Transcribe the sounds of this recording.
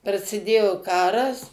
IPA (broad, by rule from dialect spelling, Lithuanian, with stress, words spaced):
prɐsʲɪˈdʲeːjoː ˈkɑːrɐs